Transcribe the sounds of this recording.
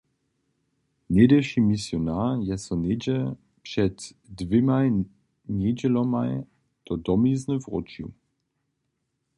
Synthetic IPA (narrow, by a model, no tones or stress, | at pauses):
nedɛʃimisjɔnajɛsɔned͡ʑɛ | pʂɛtː | vɪma | ɲed͡ʑɛlɔmaj | d̪̥ɔd̪ɔmiznəvʁɔ̰t͡ʃjṵ